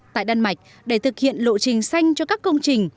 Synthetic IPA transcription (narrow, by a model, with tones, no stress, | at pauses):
t̪a̰ː˧˨jɗaː˧nma˨˩jk̟̚ | ɗe˧˩t̪ʰɨ˨˩k̚hḭ˧˨ənlo̰˧˨t͡ɕï˨˩ŋ̟sa˧jŋ̟t͡ɕɔ˧kaː˦˥kːə˧wŋ͡mt͡ɕï˨˩ŋ̟